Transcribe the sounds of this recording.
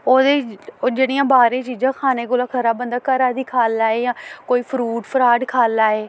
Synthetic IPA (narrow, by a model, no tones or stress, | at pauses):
oːd̪eːd͡ʒeːɽ̃iːjãːbaːɾẽːt͡ʃiːd͡ʒãːkʰaːneːkoːlaːkʰəɾaːbənd̪aːkəɾaːd̪iːkʰaːlaːeːjãːkoːiːpʰɾuːʈpʰəɾaːɖkʰaːlaːeː